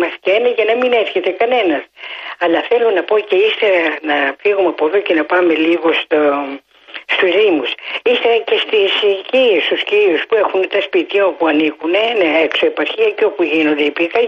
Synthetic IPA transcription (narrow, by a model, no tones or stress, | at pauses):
mɐsceenɐʝɐnɐmine̞sçe̞t̪e̞kɐne̞nɐsɐlɐθe̞lo̞nɐpo̞ce̞ist̪e̞ɾɐnɐfiɣumɐpoðoce̞nɐpɐme̞liɣo̞st̪o | st̪uzðimusist̪e̞ɾɐce̞st̪iscist̪usciɾiuspue̞xunt̪ɐspit̪içɐo̞puɐnikuneneekso̞epɐɾçiɐceo̞puʝino̞nd̪eipikɐ